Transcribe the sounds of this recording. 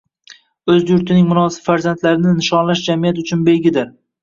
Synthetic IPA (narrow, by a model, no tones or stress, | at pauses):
ɵzjʊɾt̪ʰɪnɪŋmʊnɒsɪ̥pfaɾzant̪ʰlaɾɪnɪnɪʃɒnlaʃd͡ʒamijat̪ʊt͡ʃʰʊnbe̞jɡʲɪd̪ɪɾ